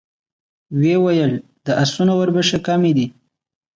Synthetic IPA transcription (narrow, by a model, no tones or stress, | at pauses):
wewajəl | d̪̥əʔasunowaɾbəʃekamid̪i